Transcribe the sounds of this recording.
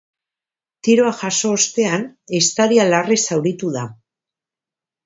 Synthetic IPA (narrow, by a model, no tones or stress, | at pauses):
t̪iɾo̞aʝaso̞ːst̪e̞anest̪aɾialarisawɾit̪uða